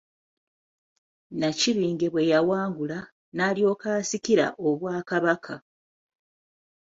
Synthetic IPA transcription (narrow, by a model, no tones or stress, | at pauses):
naciβiːŋɡe̞βwe̞jawaːŋɡula | naːljo̞ːkaːsiciɾa̰ʔo̞βwaːkaβakʰa